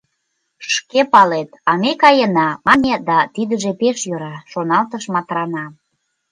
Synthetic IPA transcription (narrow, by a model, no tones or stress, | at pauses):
ʃkepɑlet̪ɑmekɑjənɑmɑnʲed̪ɑt̪id̪əʒepeʃjøɾɑʃonɑlt̪əʃmɑt̪ɾɑnɑ